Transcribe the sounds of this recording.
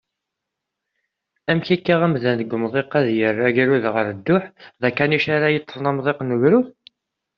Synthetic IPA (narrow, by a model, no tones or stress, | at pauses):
æmçikːæʁæmðænðəɡʷmðˤeqæðjərːaʝiɾuðʁəɾəd̪ːʊħðækːæniʃaɾajət̪ˤːəfˤnɑmðˤeqnəɣɾuθ